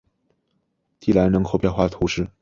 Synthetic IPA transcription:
t̪i˥˩la˧˥nnɤ˧˥ŋkʰo˧ʊpjɛ˥˧nxwa˥˩t̪ʰu˧˥ʂɻ̩˥˩

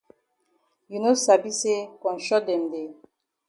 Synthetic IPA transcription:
ju˨no˦sa˨bi˦se˦kɔ̃˨n˨ʃɔ˦dɛ˨nde˨

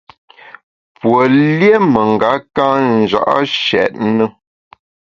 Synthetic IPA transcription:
pwo˨lje˦mə˨ŋ̩˨ɡa˨˦kã˦n̩˨d͡ʒa̰˨ʔa̰˦ʃɛ̰˨t̚nə˦

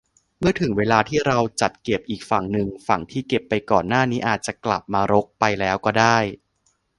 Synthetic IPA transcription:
mɯ˥˩ɐt̪ʰɯ˨˩˦ŋweː˧laː˧t̪ʰiː˥˩ɾa˧wt͡ɕa˨˩t̪̚ke˨˩p̚ʔiː˨˩k̚fa˨˩ŋnɯ˨˧ŋfa˨˩ŋt̪ʰiː˥˩ke˨˩pːa˧jkɔː˨˩nːaː˥˩niː˦˥ʔaː˨˩t̪̚t͡ɕa˨˩kla̰˨˩p̚maː˧ɾo˦˥k̚pa˧jlɛː˦˥wkɔː˥˩daː˥˩j

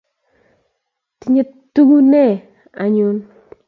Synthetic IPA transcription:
ti˨ɲe˦ | tːu˦ɡu˦nɛ˦˨ | a˨ɲu˦n

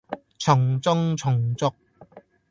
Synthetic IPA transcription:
t͡sʰʊ˨˩ŋt͡sʊ˥ŋt͡sʰʊ˨˩ŋt͡sʊ˥k̚

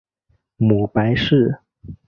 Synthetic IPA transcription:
mu˨˩pa˧˥ɪʂɻ̩˥˩

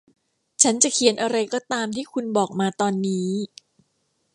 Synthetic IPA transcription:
t͡ɕʰa˦˥nt͡ɕa˨˩kʰi˧ənʔa˧ɾa˧jkɔː˨˩t̪aː˧mt̪ʰiː˥˩kʰu˧nbɔː˨˩k̚maː˧t̪ɔː˧nːiː˦˥

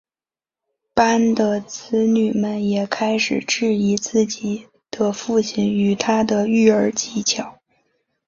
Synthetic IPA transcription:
pa˥nd̪ə˧t͡sʰɹ̩˥ny˨˩mə˧njɛ˨˩kʰa˥ɪʂɻ̩˨˩ʈ͡ʂɻ̩˥˩i˧˥t͡sɹ̩˥˩t͡ɕi˨˩ | d̪̥ə˧fu˥˩t͡ɕʰi˧˥ny˨˩t̪ʰa˥d̪ə˧y˥˩ə˞˧˥t͡ɕi˧˥t͡ɕʰjɑ˨˩˦ʊ

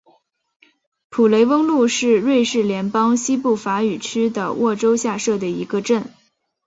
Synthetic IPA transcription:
pʰu˨˩le˧˥ɪwə˥ŋlu˥˧ʂɻ̩˥˧ɻwe˥˧ɪʂɻ̩˥˩ljɛ˧˥npɑ˥ŋɕi˥pu˥˩fa˧˥y˨˩ʈ͡ʂ̩ʰ˥d̪ə̰˨wʔɔ˥˩ʈ͡ʂo˥ʊɕja˥˧ʂɤ˥˩d̪ə˩ḭ˧˥ɡə˧ʈ͡ʂə˥˩n

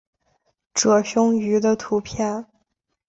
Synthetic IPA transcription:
ʈ͡ʂɤ˨˩ɕʊ˥ŋy˧˥d̪ə˧t̪ʰu˧˥pʰjɛ˥˩n

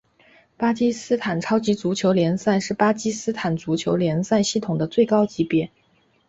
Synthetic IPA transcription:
pa˥t͡ɕi˥sɹ̩˥t̪ʰa˨˩nʈ͡ʂʰɑ˥ʊt͡ɕi˧˥t͡su˧˥t͡ɕʰjo˧˥ʊljɛ˧˥nsa˥˧nʂɻ̩˥˩pa˥t͡ɕi˥sɹ̩˥t̪ʰa˨˩nt͡su˧˥t͡ɕʰjo˧˥ʊljɛ˧˥nsa˥˧nɕi˥˩t̪ʰʊ˨˩ŋd̪ə˦t͡swe˥˩ɪkɑ˥ʊt͡ɕi˧˥pjɛ˧˥

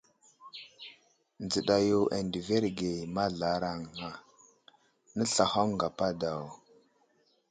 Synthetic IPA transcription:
nd͡zə˨ɗa˨jo˨ʔa̰˨ndi˨ve˦ɾɡe˨ma˦ɮa˨˦ɾa˦ŋa˨ | nə˦ɬa˨xa˦m˦ŋɡa˨pa˦da˨w

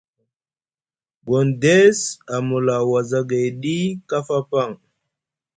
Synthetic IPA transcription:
ɡo˨nde˦sa˨mu˨la˨wa˨za˦ɡa˨jɗi˦ka˦fa˦pa˦˨ŋ

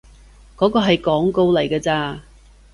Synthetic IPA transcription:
kɔː˨˥kɔː˧ɦɐ˨jkɔː˨˥ŋko˥˧wlɐ˨˩jkɐː˧t͡saː˧

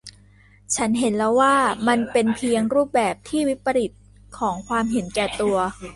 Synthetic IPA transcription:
t͡ɕʰa˦˥nɦe˩˦nlɛː˦˥waː˥˩ma˧npe˧npʰi˧əŋɾuː˥˩p̚bɛː˨˩p̚t̪ʰiː˥˩wi˦˥pːa˧ɾi˨˩t̪̚ | kʰɔː˩˦ŋkʰwaː˧mɦe˩˦nkɛː˨˩t̪u˧ɐ

